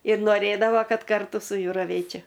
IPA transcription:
ɪr noːˈrʲeːdɐʋoː ˈkɐt ˈkɐrtʊ sʊ ˈjʊ rɐˈʋʲeːt͡ʃʲɛ

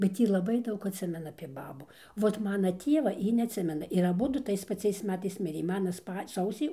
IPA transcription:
bʲɛt ˈjiː lˠɐˈbɐɪ ˈdɐʊk ɐtʲˈsʲɪmʲɛnɐ ɐpʲiɛ ˈbɑːbuː ˈʋoːt ˈmɑːnɐ ˈtʲiɛʋɐ ˈjɪ nʲɛɐtʲˈsʲɪmʲɛnɐ ɪr ɐˈbʊdʊ ˈtɐɪs pɐˈt͡sʲɛɪs ˈmʲæːtɐɪs ˈmʲɪrʲeː ˈmɑːnɐ ˈspɐ ˈsɐʊsʲiː

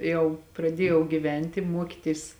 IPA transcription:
ˈjɛʊ prɐˈdʲiɛjɛʊ ɡʲɪˈʋʲɛnʲtʲ ɪ ˈmuɔkʲɪtʲɪs

